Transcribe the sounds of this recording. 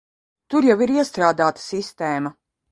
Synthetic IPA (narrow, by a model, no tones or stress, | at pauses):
t̪uɾjawiɾiɛst̪ɾaːd̪aːt̪ḁsist̪ɛːma